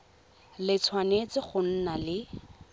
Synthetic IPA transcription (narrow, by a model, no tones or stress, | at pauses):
lɪt͡sʰwanet͡sɪχʊn̩nalɪ